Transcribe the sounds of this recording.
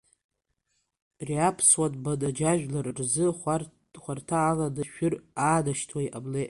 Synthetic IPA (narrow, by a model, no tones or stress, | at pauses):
rjapʰswatʼbadad͡ʒaʒᶣlarrzɨ | χʷartʰaːladaʃᶣʊraːdaʃtʰwajʔable